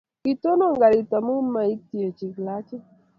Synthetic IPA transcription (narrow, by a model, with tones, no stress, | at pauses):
i˨to˦no˦˨ŋɡa˨ɾi˨ta˨mu˦mːa˨i˦k̚ti˨e˨t͡ʃi˨kla˨˦t͡ʃi˦